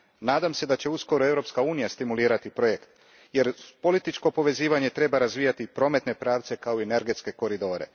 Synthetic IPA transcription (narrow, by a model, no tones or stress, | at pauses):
naːd̪amse̞d̪at͡ɕe̞usko̞ɾoe̞vɾo̞pskauːnijast̪imuliːɾat̪ipɾojekt̪ | je̞ɾpo̞lit̪it͡ʃko̞po̞ʋe̞ziːʋaɲe̞t̪ɾe̞baɾazʋiːjat̪ipɾo̞ːme̞t̪ne̞pɾaːʋt̪se̞kaoiene̞ɾɡe̞t̪ske̞ko̞ɾid̪o̞ːɾe̞̰